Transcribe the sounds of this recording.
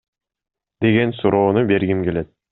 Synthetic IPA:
d̪e̞ɡe̞nsuɾo̞ːnube̞ɾɡimke̞le̞t̪̚

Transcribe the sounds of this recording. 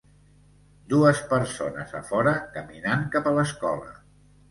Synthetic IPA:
d̪uəspəɾsonəzəfɔɾəkəminaŋkapələskɔ̰lə̰

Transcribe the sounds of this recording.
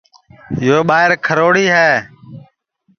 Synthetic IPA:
jɪjoːɓaːɪɾkʰəɾoːɽiːɦɛː

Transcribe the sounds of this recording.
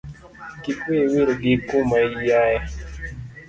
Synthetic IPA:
kikwewiɾɡikumaijajɛ

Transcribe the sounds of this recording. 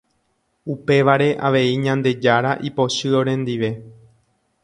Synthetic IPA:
upe̞ʋaɾe̞ʔaʋe̞iɲãnd̪e̞d͡ʒaɾaʔipo̞ʃɨo̞ɾẽ̞nd̪iʋe̞

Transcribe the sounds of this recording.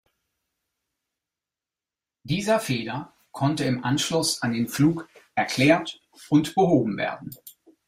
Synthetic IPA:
d̥iːzɐfeːlɐ | kʰɔntəɪmʔanʃlʊsandeːnfluːkʔɛɐkʰl̥ɛːɐt | ʔʊntb̥əɦoːbm̩vḛːɐdn̩

